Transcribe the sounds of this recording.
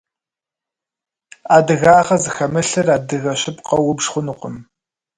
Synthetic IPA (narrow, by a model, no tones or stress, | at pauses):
aːdɨɣaːχɐzɨxɐmɨɬɨraːdɨɣɐɕɪpqɐwʊbʒχʷʊnuqʷʊm